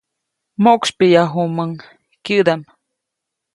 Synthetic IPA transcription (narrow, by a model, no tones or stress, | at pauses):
moʔkspijaɦuməŋ | kjɨd̪am